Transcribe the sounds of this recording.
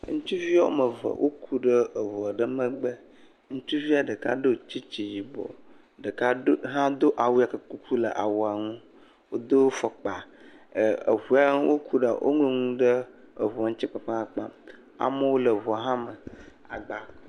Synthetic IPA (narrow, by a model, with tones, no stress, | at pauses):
ŋũ˦t͡ʃu˦vi˦a˦wo˦mə˨və̰˨wʔo̰˦kʰu˦ɖə˦ə˨vɔ˨ɖə˦mə̃˦ɡ͡bə˦ | ŋũ˦t͡ʃu˦vi˦a˨ɖə˨ka̰˦ɖə˦o˨t͡ɕi˦t͡ʃi˨ji˨bɔ̰˨ | ɖə˨ka˦ɦã˦d̪o˦ʔa˨wu˦a˨kə˨ku˦kʰu˦lə̰˨ʔa̰˨wo˨a˨ŋũ˦ | wo˦d̪o˦wo˦fɔ˨k͡pa˨ | ə̰˨vu˨a˦wo˦kʰu˦ɖa˨wʔo̰˦ŋ˦lo˦ŋũ˦ɖə˦ | ə˨vu˨a˨ŋũ˦t͡ɕi˦k͡pa˨pa˦a˨k͡pa̰˦m | a̰˨mə˦wo˦lə˨vɔ˨a˨ɦã˦mə˨ | a˨ɡ͡ba˦